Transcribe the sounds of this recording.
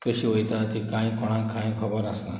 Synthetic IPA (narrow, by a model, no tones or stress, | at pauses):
kəɕiʋəjt̪at̪ikãj̃kɔɽ̃ãkʰãj̃kʰəbəɾasa